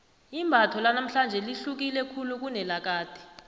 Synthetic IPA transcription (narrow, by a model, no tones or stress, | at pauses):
imbʱatʰɔlanam̩ɬand͡ʒʱɛliɬuk̬ilɛkʰuluk̬unɛlak̬aːd̥ʱɛ̥